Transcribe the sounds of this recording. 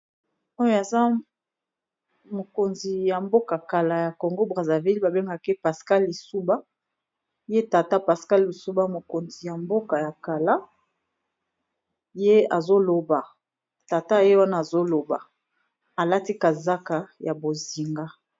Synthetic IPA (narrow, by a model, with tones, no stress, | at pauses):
o˦jo˦a˨za˦ | mo˨ko˨nzi˨ja˨mbo˦ka˨ka˨la˨ja˨ko˨ŋɡo˦bʁa˨za˨vi˦lba˨be˦ŋɡa˦˨ke˦pa˨ska˦li˨su˦ba˦ | je˦ta˨ta˦pa˨ska˦li˨su˦ba˦mo˨ko˨nzi˨ja˨mbo˦ka˨ja˨ka˨la˦ | je˦a˨zo˦lo˨ba˨ | ta˨ta˦˨je˦wa˦naː˦˨zo˦lo˨ba̰˨ | a˨la˦ti˦ka˨za˦ka˨ja˨bo˨zi˨ŋɡa˦